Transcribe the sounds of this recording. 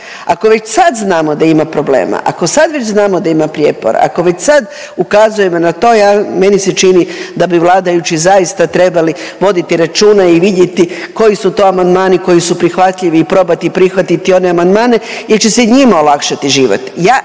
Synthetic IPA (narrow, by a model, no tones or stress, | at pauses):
ako̞ʋe̞t͡ɕsad̪znaːmod̪aimapɾo̞blḛːma̰ʔa̰ko̞sad̪ʋe̞t͡ɕznaːmo̞d̪aimapɾjepo̰ɾa̰a̰ko̞ʋe̞t͡ɕsad̪ | ukazuje̞monat̪o̞ːjaːme̞niset͡ʃinid̪abiʋlˠaːd̪ajut͡ɕizaist̪at̪ɾe̞baliʋo̞d̪it̪iɾat͡ʃuːnaiʋid̪jet̪iko̞jisut̪o̞ːamand̪maːniko̞jisupɾixʋat̪ʎiʋiːpɾo̞bat̪ipɾixʋat̪it̪io̞neamand̪maːne̞jeɾt͡ɕe̞seɲimao̞lˠakʃat̪iʒiːʋo̰t̪jaː